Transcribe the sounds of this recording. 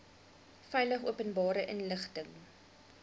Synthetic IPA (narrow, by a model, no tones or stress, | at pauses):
fɛjləχṵəpənbɑːɾəʔənləχtəŋ